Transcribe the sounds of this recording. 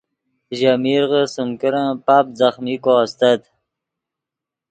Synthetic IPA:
ʑamiɾʁəsəmkəɾãpap̚zaχmikost̪ad̪

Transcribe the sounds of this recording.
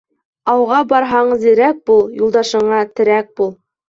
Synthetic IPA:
ɑwʁɑbɑɾɦɑɴzĭɾæk̚bulˠjulˠd̪ɑʃɤ̆ɴɑt̪ɘ̆ɾæk̚bulˠ

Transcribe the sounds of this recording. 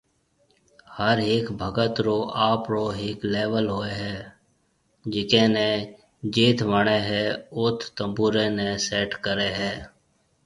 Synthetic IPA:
həɾeːkbʱəɡət̪ɾoːʔaːpɾoːɦɪːkleːʋəlɦoːeɦɛː | d͡ʒɪkẽnẽː | d͡ʒeːt̪ʰʋəɽeɦɛːʊt̪ʰt̪ə̃mbuːɾenẽseːʈkəɾeːɦɛː

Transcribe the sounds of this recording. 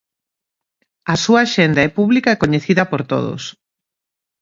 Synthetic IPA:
ɐsuaːʃend̪aɛpuβlikɐekoɲeθiðɐpoɾt̪o̰ðo̰s

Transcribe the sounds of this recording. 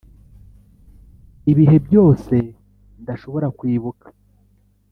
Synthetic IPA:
iβiɦe̞bjo̞ːse̞ | ndaʃo̞βo̞ɾakwiːβukḁ

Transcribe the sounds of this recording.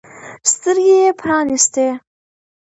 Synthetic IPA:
st̪əɾɡʲejepʰɾɑːnist̪e

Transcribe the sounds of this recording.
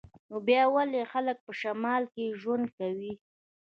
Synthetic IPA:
nobjɑwalexalək̚pəʃamɑlkeʒwand̪̚kawi

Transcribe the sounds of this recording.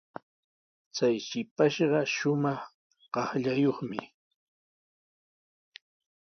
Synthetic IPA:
t͡sajʃɪpaʃɢɑʃʊmɑχ | ɢ̥ɑχʎajoχmɪ̰

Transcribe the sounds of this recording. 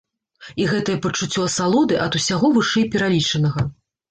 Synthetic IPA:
iɣɛt̪ɐjɐpɐt͡ʂut͡sʲːɔɐsalˠɔd̪ɨʔɐd̪usʲaɣɔvɨʂɛjpʲɛɾalʲit͡ʂɐnɐɣɐ

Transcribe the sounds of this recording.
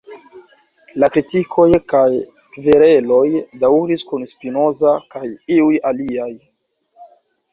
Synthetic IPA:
lakɾitikʰo̞jkaj | kveɾe̞lo̞jdauɾiskunspino̞zakajiujaliaj

